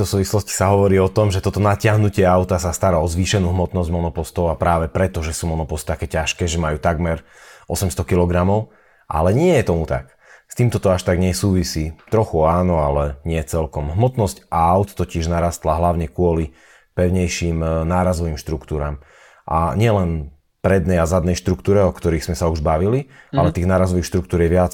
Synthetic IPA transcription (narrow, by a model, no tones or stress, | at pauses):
d̪ɔsuːʋislɔsci̥saɦɔʋɔɾiːɔt̪ɔmʒɛt̪ɔt̪ɔnacɪaɦnucɪɛaʊt̪asast̪aɾaɔzʋiʃɛnuːɦmɔt̪nɔzɟmɔnɔpɔst̪ɔʊapɾaːʋɛpɾɛt̪ɔʒɛsuːmɔnɔpɔst̪t̪akɛːcaʃkɛːʒɛmajuːt̪aɡmɛɾ | ʔɔsɛmst̪ɔkilɔɡɾamɔʊ | ʔa̰lɛɲɪɛjɛt̪ɔmut̪a̰k | st̪iːmt̪ɔt̪ɔaʃt̪aɡɲɛsuːʋisiːt̪ɾɔxuaːnɔalɛɲɪɛt͡sɛlkɔmɦmɔt̪nɔscʔaaʊt̪t̪ːɔcɪɛʒnaɾaːst̪laɦlaʊɲɛkʊɔli | pɛʊɲɛjʃimnaːɾazɔʋiːmʃt̪ɾukt̪uːɾaːm | ʔa̰ɲɪɛlɛn | pɾɛd̪nɛjazad̪nɛjʃt̪ɾukt̪uːɾɛɔkt̪ɔɾiːɣz̥mɛsauʒbaʋilialɛt̪iːɣnaːɾazɔʋixʃt̪ɾukt̪uːɾjɛʋɪat͡s